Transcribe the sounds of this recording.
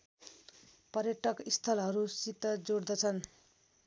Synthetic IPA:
pʌɾjʌʈʌkist̪ʰʌlɦʌɾusit̪ːʌd͡zoɽd̪ʌt͡sʰʌn

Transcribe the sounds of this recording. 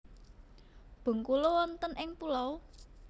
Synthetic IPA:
b̥o̤ŋkulowɔnt̪ənʔɪŋpulɔw

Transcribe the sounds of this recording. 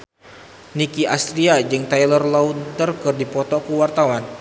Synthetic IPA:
nikiast̪ɾiad͡ʒɨŋt̪ajlərlawt̪ərkɨrdipɔt̪ɔkuwart̪awan

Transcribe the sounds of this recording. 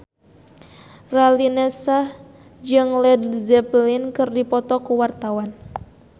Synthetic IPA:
ralinɛsah | d͡ʒɨŋlɛdzɛplinkɨrdipɔt̪ɔkuwart̪awan

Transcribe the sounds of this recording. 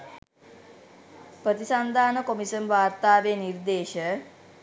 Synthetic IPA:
pɾət̪isand̪ʱaːnəkomisənʋaːɾt̪aːʋeːniɾd̪eːʃə

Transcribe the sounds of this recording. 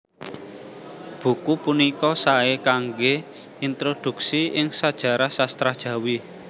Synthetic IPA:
b̥ṳkupunikɔsaekaŋɡe | int̪ɾod̪̥ṳksiɪŋsad̥ʒ̥ä̤ɾahsast̪ɾahd̥ʒ̥ä̤wi

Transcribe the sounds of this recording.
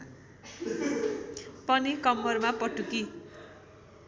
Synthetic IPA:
pʌnikʌmːʌrmapʌʈuki

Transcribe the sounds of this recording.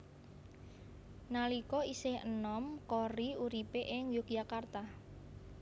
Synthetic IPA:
nalikɔisɪhə̰nɔmkɔriuɾipeʔɪŋjʊk̚jakart̪a

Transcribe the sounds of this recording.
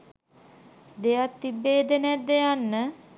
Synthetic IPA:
d̪ejat̪ːibːeːd̪əneat̪̚d̪ejanːə

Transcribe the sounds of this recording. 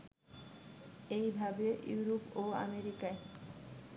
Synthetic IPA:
ejbʱabejuɾopoa̰meɾikae

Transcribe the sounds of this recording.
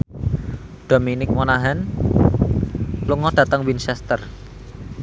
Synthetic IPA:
d̪̥o̤minɪk̚monaɦɛn | luŋɔd̥ä̤t̪əŋwinsɛst̪ər

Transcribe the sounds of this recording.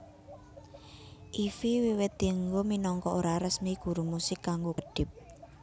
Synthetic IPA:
ʔifiwiwɪt̪iəŋɡominɔŋkɔʔoɾaɾəsmiɡ̥ṳɾumusɪkːaŋɡokəɖ̥ɪ̤p̚

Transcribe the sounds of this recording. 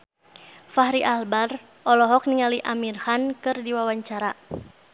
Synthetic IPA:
fahɾiʔalbar | ʔɔlɔɦɔk̚niŋaliʔamirhankɨrdiwawaɲt͡ʃaɾa

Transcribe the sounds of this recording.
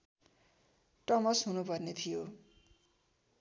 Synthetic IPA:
ʈʌmʌsɦunupʌrnet̪ʰijo

